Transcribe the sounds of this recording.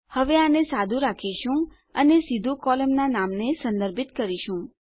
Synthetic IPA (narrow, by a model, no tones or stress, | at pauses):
həʋeanesad̪ʱũɾakʰiʃũ | ənesid̪ʱũkɔləmnanamnesə̃nd̪əɾbʱit̪kəɾiʃũ